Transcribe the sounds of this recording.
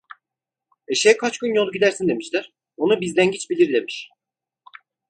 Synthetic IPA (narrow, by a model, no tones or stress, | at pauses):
eʃejɛkʰat͡ʃkɯnjo̞lˠuɟid̪æɾsind̪e̞miʃlʲæɾ̥ | onubizd̪ænɟit͡ʃbilʲiɾd̪e̞miʃ